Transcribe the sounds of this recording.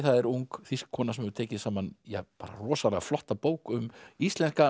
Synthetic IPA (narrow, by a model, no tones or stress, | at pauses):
θaðɛɾuŋkθiskkʰːɔːnasɛmɛvɾt̪ʰɛːcɪsaːmanjɛ̰ɣpaːɾa̰rɔːsalɛɣaflɔht̪apoːwkʏmist̪lɛnska